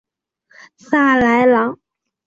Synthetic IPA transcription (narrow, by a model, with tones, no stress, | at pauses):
sa˥˩la˧˥ɪlɑ˧˥ŋ